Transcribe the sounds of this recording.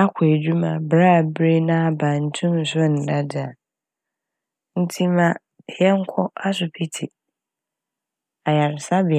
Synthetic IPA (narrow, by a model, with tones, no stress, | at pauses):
a˦kʰʊ˨e˨d͡ʑᶣu˦mã˨bɾa˦˨bɾe˦nã˦a˦bã˨n̩˦tʰũ˦n̩˨sʊ˦˨n̩˨da˦dɪ˨a˨ | n̩˦tʰi˦mã˦ | hɛ˦ŋ̩˦kʷʰɔ˦a˦s̬ʊ˨pʰi˦tʰi˨ | a˨ja˨ɾɪ˨sa˦bɪ˨